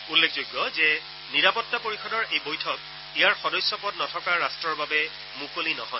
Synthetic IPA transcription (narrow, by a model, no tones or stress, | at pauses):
ulːekʰzoɡːɔzɛ | niɹapɔtːapoɹixɔdɔɹejbojtʰɔk̚ | ijaɹxɔdɔjsjɔpɔdnɔtʰɔkaɹastɹɔɹbabɛ | mukolinɔɦɔj